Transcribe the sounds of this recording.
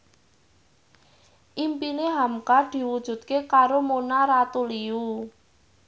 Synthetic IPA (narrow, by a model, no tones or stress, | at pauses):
ʔimpineɦamkad̪̥i̤wud̥ʒ̥ṳt̪̚kekaɾomonaɾat̪uliu